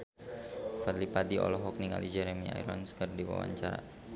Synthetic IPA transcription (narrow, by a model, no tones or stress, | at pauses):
falipad̪iɔ̰lɔɦɔk̚niŋa̰lid͡ʒɛɾemia̰jɾɔnskərdiwa̰wa̰ɲt͡ʃaɾa̰